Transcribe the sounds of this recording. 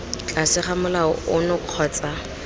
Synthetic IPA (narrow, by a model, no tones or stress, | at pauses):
t͡ɬʼasɪχamʊlaɔʊnʊq͡χʰɔːt͡sʼa